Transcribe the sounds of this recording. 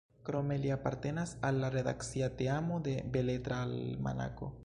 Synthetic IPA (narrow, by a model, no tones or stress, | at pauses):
kɾomeljapaɾt̪enasalːareða̰ksjat̪eamoðebelet̪ɾalma̰na̰ko̰